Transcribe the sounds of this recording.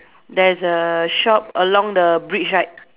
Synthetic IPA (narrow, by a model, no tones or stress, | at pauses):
dɛsəʃɔp̚əlɔ̃ŋdəbɹit͡ʃɹaɪt̚